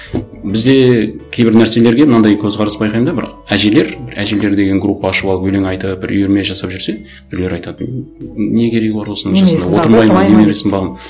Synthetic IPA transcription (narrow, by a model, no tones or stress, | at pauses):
bɪzd̪e̞kʲʰejbɪɾnæɾse̞le̞ɾɡʲe̞mnɑnd̪ɑjkʲʰɵzʁɑɾəsbɑjqʰɑjəmd̪ɑbɪɾ̰æʒe̞le̞ɾbɪɾæʒe̞le̞ɾd̪e̞ɡʲe̞ŋɡɾupːɑːʃəpɑlˠəpɵle̞ŋɑjt̪əbɪɾʔʏ̰jeɾmeʒɑsɑpʒʏɾse̞ | b̥ɪɾle̞ɾɑjt̪ɑt̪ənne̞kʲʰe̞ɾe̞ɡʲɪbɑɾwo̞sənəŋʒɑsnd̪ɑwo̞əɾmɑj̪d̪emeɾesɪnbɑʁəm